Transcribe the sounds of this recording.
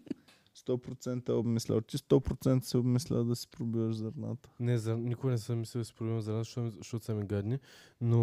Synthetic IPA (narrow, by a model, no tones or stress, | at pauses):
st̪ɔpɾot̪sɛnt̪əɛobmislʲɛ̰lˠt̪ʲist̪ɔpɾot̪sɛnt̪ə̥sɛobmislʲɛ̰lˠd̪ɐsi̥pɾobivəʒzɐɾna̰t̪ə̥nɛzɐɾnikoɡɐnɛsɛmislʲɛd̪ɐsi̥pɾoblɛmɐzɐɾnat̪ʃʃt̪ɔt̪samiɡad̪nʲino